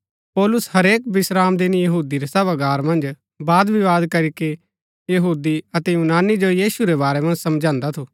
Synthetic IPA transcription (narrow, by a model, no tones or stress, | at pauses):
pɔːlʊsɦɐɾeːkbɪsɾaːmd̪ɪnjɐɦuːd̪iɾɐsɐβaɡaːɾmɐ̃nd͡ʒ | baːd̪ʋiʋaːd̪kɐɾike | jɐɦuːd̪iɐt̪ejunaːnid͡ʒojiːsuɾebaːɾemɐ̃nd͡ʒsɐmd͡ʒãːnd̪at̪ʰoː